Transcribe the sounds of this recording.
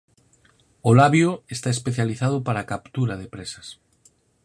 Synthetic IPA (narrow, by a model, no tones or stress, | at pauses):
olaβjoest̪aespeθjaliθað̞ʊpaɾakapt̪uɾaðepɾesɐ̥s